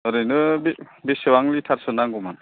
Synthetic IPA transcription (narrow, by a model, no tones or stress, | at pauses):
ɯɾɯjnɯbibisewaŋlitʰaɾsɯnaŋɡuman